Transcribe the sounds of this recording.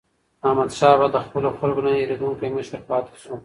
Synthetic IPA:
amad̪ʃɑbad̪əxpəloxalkonaeɾed̪uŋkajmɪʃt̪eɾpɑt̪e̥ʃu

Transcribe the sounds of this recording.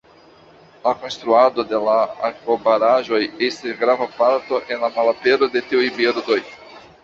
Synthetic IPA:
lako̞nst̪ɾuad̪o̞de̞laa̰kobaɾaʒojestisɡɾavapaɾt̪o̞ʔe̞nlamalapeɾo̞de̞teujbeɾdo̞j

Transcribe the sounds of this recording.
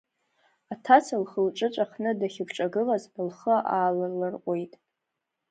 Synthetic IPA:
atʰat͡sʰalχəlʈ͡ʂʼɨt͡ʃʷʼaχnɨdaχʲɪpʰʈ͡ʂʼaɡɨlazbɨlχəʔaːlɨlɨrqʷʼojtʼ

